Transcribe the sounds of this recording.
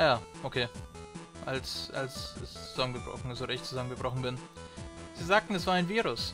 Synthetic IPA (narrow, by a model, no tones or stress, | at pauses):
ajaːʔokʰeː | ʔalsʔa̰lsɪt͡suz̥amənɡəb̥ʁɔ̰xn̩zoːɾɪçt͡suzamənɡəb̥ʁɔχn̩bɪn | z̥iːzaːk̚tn̩ɛsv̥aːɐaɪnviːʁʊs